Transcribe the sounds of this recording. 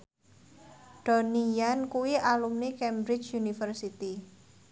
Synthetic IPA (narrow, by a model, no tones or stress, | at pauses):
ɖ̥ɔ̤nijankuwiʔalumnikɛmbɾɪt͡ʃunifərsit̪i